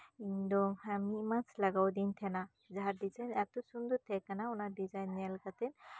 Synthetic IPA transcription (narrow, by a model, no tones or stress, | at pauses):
indɔŋhamimat͡ʃʰlaɡawd̪int̪ʰɛna | zaɦaɾdisʰajnaɾt̪usund̪ut̪ʰɛkanaɔnadizajnalkat̪ɛn